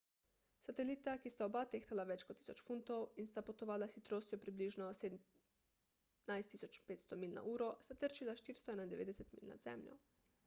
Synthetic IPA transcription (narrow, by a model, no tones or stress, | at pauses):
sat̪eliːt̪akist̪aobat̪ext̪alaʋɛt͡ʃkɔt̪ːi̥sot͡ʃfunt̪owinst̪apot̪oʋaːlasit̪ɾoːst̪jopɾibliːʒnɔseːd̪ | najst̪ːisot͡ʃpeːt̪st̪ɔmilʲna̰ʔuːɾost̪at̪əɾt͡ʃilaʃt̪iːɾst̪ɔɛnand̪eʋḛːd̪ɛsɛt̪mḭlʲna̰zɛ̰mʎjɔ̰